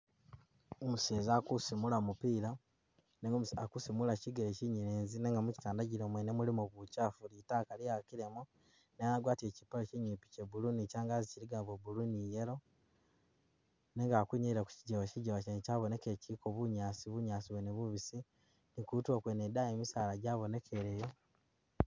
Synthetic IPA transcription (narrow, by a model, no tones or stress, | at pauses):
omuseːzakusimulamupiːɾa | neŋɡakusimulaciɡeleciɲiɾeːnzineŋɡamuci̥taːndaɟiɾomwenemulimoβucafulitakalijakiɾemu | nejaɡwaːtecipalociɲipi̥cebulunicaːŋɡaːziciɾiɡaːbwebulunijelo̞ | ne̞ŋɡaːkuɲeiɾaku̥ciɟeβaciɟeβacencaβone̞kecikoβuɲaːsiβuɲaːsiβweneβuβisi | nikutwokwenedajemisaːlaɟaːβo̞ne̞kʰeɾejo